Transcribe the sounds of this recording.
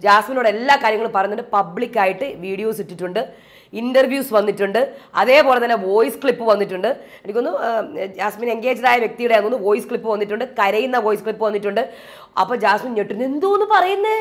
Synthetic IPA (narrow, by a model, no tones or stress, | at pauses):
d͡ʑaːsmino̞ːɽeelːaːkaːɾjɐŋːɐɭumpɐrɐjunːɐɳɖɨpɐbɭikʲːaːjiʈːɨʋiːɽijo̞ːsitːiʈːuɳɖɨ | indɐrʋjuːsʋɐnːitːuɳɖɨɐ̰ðe̞ːpo̞ːle̞t̪̬ɐnːeʋo̞ːjskɭipːɨʋɐnːitːuɳɖɨ | enikʲːo̞nːɨd͡ʑaːsmiːne̞ŋɡe̞ːd͡ʑɐɾaːjɐʋje̞k̚t̪ijuɽeɐnːonːɨʋo̞ːjiskɭipːɨʋɐnːiʈːuɳɖɨkɐɾɐjunːɐʋo̞ːjiskɭipːɨʋɐnːiʈːuɳɖɨ | ɐ̰pːoːd͡ʑaːsminɲeʈːunːend̪uonːɨpɐrɐjunːɐ